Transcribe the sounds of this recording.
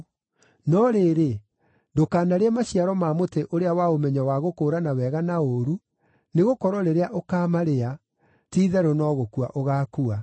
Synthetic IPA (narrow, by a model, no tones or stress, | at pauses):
nɔɾeːɾe | dokaːnaɾeɛmaɕiaɾɔmaːmoteʔoɾeawaomɛɲawaɣokoːɾanawɛɣanaoɾu | neɣokɔɾwɔɾeɾeaʔokaːmaɾea | tiːðɛɾonɔɣokua̰ʔoɣaːkua